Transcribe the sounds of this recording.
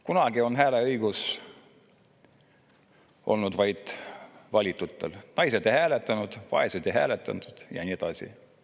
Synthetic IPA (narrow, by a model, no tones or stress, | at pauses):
kunɑɡ̥io̞nɦæːle̞ɤjɡ̥us | ʔo̞̰lnud̪vɑjd̪̥vɑlʲit̪ːˑut̪ːˑḛlnɑjse̞d̪ejhæːlet̪ːˑɑnud̪̥vɑ̰e̞sed̪ejɦæ̰ːlet̪ːˑɑ̰nt̪ud̪̥jɑ̰nʲied̪̥ɑsḭ